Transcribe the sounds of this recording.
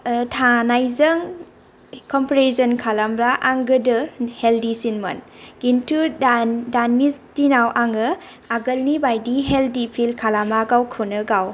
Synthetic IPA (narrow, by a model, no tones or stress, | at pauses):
tʰanajzəŋ | kɔmpɾesɔnkʰalambɾaʔaŋɡɯdɯheldisinmɐ̰n | ɡ̥intʰudanisdinawʔaŋɯ | aɡəlnibajdiɦeldipʰilkʰalamaɡawkʰɯnɯɡaw